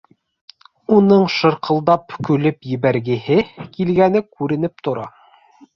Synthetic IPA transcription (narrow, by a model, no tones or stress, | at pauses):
unɤɴʃɤ̆ɾqʰɤ̆lˠd̪ɑpkʉlɘpjɘ̆βæɾɡɘ̆hɘkilɡænɘkʉɾɘ̆n̪ɘp̚t̪ŏɾɑ